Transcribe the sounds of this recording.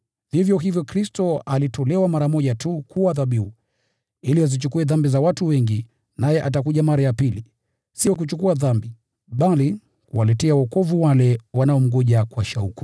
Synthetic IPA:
v̥ivjɔɦivjɔkɾistɔalitɔlɛwamaɾamɔʄatukuwaðaɓiu | iliazit͡ʃukuɛðambizawatuwɛŋɡi | najɛʔat̬akuʄamaɾajapili | sijɔk̬ut͡ʃukuaðambi | ɓali | kuwalɛtɛawɔkɔvuwalɛwanaɔm̩ɡɔʄakwaʃauku̥

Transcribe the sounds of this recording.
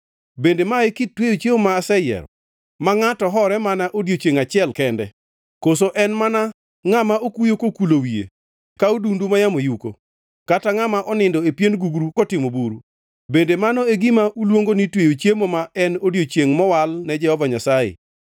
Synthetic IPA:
bendemaekɪtːwejot͡ʃjeomaːsɛjɛ̰ɾɔ | maŋatɔɦɔɾɛmanaʔodjot͡ʃjeŋat͡ʃɪɛlkɛndɛ | kosoʔɛnmana | ŋamaokujokokulowiḛ | kaudundumajamojuko | kataŋamaʔɔnɪndɔepjenɡuɡɾukɔtɪmobuɾu | bendemanɔeɡimaʔulwoŋɡonitwejot͡ʃjemomaɛnodjot͡ʃjeŋmɔwalnɛd͡ʒɛhɔvaɲasajɪ̰

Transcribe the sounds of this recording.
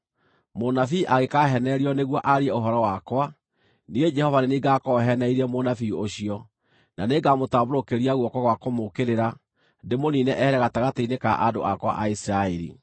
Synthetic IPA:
monafiʔaɣekaɦɛnɛɾiɔneɣwɔʔaɾiɛoɦɔɾɔwakwa | niɣed͡ʒɛhɔvaneniɡakɔɦɛnɛiɾɛmonafioɕiɔ | naneɡamotaboɾokeɾiaɣwɔkwɔaɣwakomokeɾeɾa | ndemoninɛʔɛɛɾɛɣataɣateinekaʔado̰ʔakwa̰ʔaisiɾaeɾḭ

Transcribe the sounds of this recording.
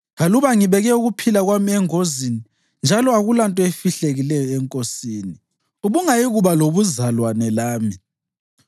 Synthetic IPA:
ɣaluβaŋiβɛɣɛuɣupʰilaɣwamiɛŋozini | nd͡ʒʱalɔaɣulantʼɔefiɬeɣilɛjɔɛŋkʼosiːni | uβuŋajiɣuβaloβuzalwanɛlaːmi

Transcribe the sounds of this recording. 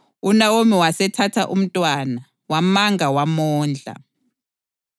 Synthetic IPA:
unawomiwasɛtʰatʰaʔum̩tʼwana | wamaŋʱawamɔːnd͡ɮʱa̰

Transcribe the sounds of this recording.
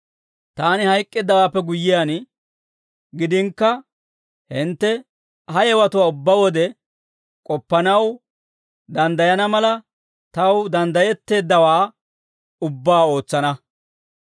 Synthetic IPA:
t̪aːnɪhɐjkʼːɪd̪ːɐwaːpːɛɡʊjːɪjan | ɡɪd̪ɪŋkːɐ | hɪnt̪ːɛ | ɦɐjɛwɐt̪ʊwaːʊbːawɔd̪ɛ | kʼɔpːɐnɐw | d̪ɐnd̪ɐjɐnɐmɐlɐ | t̪ɐwd̪ɐnd̪ɐjɛt̪ːe̞ːd̪ːɐwaː | ʊbːaːo̞ːt͡sːɐnɐ

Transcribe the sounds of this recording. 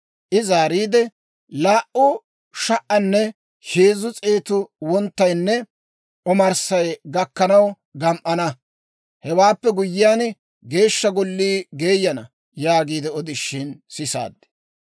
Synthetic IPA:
ʔɪzaːɾiːd̪ɛ | laːʔʊ | ʃɐʔɐnːɛ | heːzʊt͡sʼeːt̪ʊwɔnt̪ːɐjnːɛ | ʔɔmɐɾsɐjɡɐkːɐnɐw | ɡɐmʔɐnɐ | hɛwaːpːɛɡʊjːɪjaːn | ɡe̞ːʃːɐɡɔlːiːɡe̞ːjːɐnɐ̰ | jaːɡiːd̪ɛɔd̪ɪʃːɪnsɪsa̰ːd̪ːɛ̥

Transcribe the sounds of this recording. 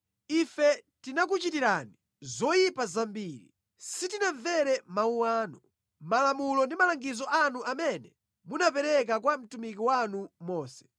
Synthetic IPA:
ifɛtinak̬ut͡ʃitiɾani | zɔjipazambiːɾḭ | sitinaɱvɛɾɛmauwaːnu | malamulɔndimalaŋɡizɔʔanuʔamɛnɛ | munapɛɾɛk̬ak̬wam̩tumik̬iwanumɔːsɛ̥

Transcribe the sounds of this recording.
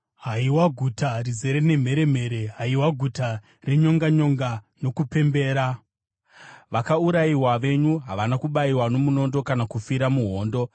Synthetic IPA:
ɦaiwaɡʱutarize̞ɾe̞ne̞m̤e̞ɾe̞m̤e̞ɾe̞ɦaiwaɡʱuta | re̞ɲo̞ŋɡaɲo̞ŋɡano̞kupe̞mbe̞ːɾa | ʋakauɾaiwaʋe̞ɲuɦa̰ʋanakuɓaiwano̞muno̞ndo̞kanakufiɾamuɦo̞ːndo̞

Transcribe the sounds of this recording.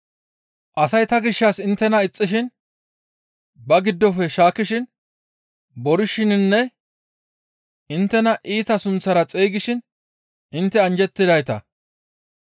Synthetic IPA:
ʔɐsɐjt̪ɐɡɪʃːɐsɪnt̪ːɛnɐɪt͡sʼːɪʃɪn | bɐɡɪd̪ːɔfɛʃaːkːɪʃɪn | bɔɾɪʃɪnɪnːɛ | ɪnt̪ːɛnɐʔiːt̪ɐsʊnt͡sːɐɾɐt͡sʼeːɡɪʃɪn | ʔɪnt̪ːɛɐnd͡ʒɛt̪ːɪd̪ɐjt̪ɐ̰

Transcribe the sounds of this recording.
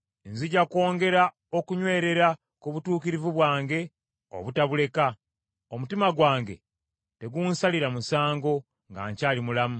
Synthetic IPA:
enziɟako̞ːŋɡe̞ɾa | o̞kuɲwe̞ːɾe̞ɾa | kuβutuːkiɾivuβwaːŋɡe̞ | o̰βutaβule̞ka | o̞mutimaɡwaːŋɡe̞̰ | te̞ɡuːnsaliɾamusaːŋɡo̞ | ŋɡa̰ːɲcaːlimulamu

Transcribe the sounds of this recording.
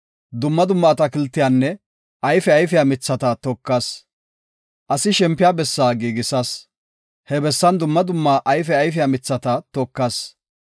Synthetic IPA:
d̪ʊmːɐd̪ʊmːɐːt̪ɐkɪlt̪ːɪjanːɛ | ʔɐjfɛɐjfɪjamɪt͡sːɐt̪ɐt̪ɔkːɐs | ʔɐsɪʃɛmpːɪjaːbɛsːaːɡiːɡɪsɐs | hɛbɛsːɐnd̪ʊmːɐd̪ʊmːaːʔɐjfɛɐjfɪjamɪt͡sːɐt̪ɐt̪ɔkːɐs

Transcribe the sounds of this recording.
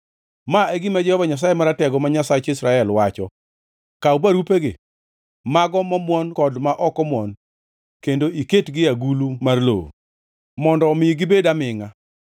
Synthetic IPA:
maeɡɪmad͡ʒɛhɔvaɲas̬ajemaɾatɛɡɔmaɲasat͡ʃɪsɾaɛlwat͡ʃɔ | kaubaɾupeɡɪ | maɡɔmɔmwɔnkɔdmaʔɔkɔmwɔn | kendoʔiketɡɪaɡulumarlo̰o̰ | mɔndɔmɪjɡɪbedamɪŋa

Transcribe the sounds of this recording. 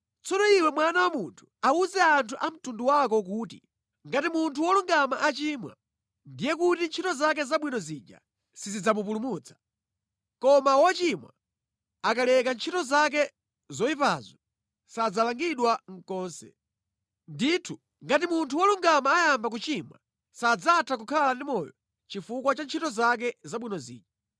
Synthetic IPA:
t͡sɔnɔiwɛmwanawamuntʰu̥auzɛantʰuʔam̩tunduwak̬ɔk̬uːtḭ | ŋɡatimuntʰuwɔluŋɡamaʔat͡ʃiːmwa̰ | ndijɛkutint͡ʃʰitɔzak̬ɛzaɓwinɔziːd͡ʒa̰ | sizid͡zamup̬ulumut͡sʰḁ | kɔmawɔt͡ʃimwa̰ | akalɛkant͡ʃʰitɔzak̬ɛ | zɔipazɔ | sad͡zalaŋɡiɗwaŋ̩kɔːnsɛ̰ | nditʰu | ŋɡatimuntʰuwɔluŋɡamaːjambak̬ut͡ʃimwa | sad͡zatʰakukʰalandimɔjɔ | t͡ʃifukwat͡ʃant͡ʃʰitɔzak̬ɛzaɓwinɔzḭːd͡ʒa

